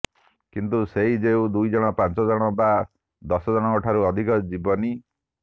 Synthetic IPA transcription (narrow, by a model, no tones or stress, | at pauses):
kint̪useid͡ʒeud̪ujd͡ʒɔɽ̃ɔpant͡ʃɔd͡ʒɔɽ̃ɔba | d̪ɔsɔd͡ʒɔɽ̃ɔkɔʈʰaɾuɔd̪ʱikɔd͡ʒibɔni